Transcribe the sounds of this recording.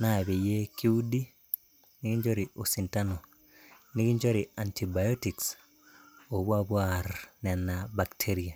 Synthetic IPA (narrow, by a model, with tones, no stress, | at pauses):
na˦˨βe˨je˦ki˦u˦di˦ | ni˦ɡi˦ɲd͡ʒo˦ɾiʔo˨si˨ntano˨ | ni˦ɡi˦ɲd͡ʒoɾia˨ntʰi˨bajotiks | o˨βwa˦βwaɾnɛ˨nabaktʰeɾia˨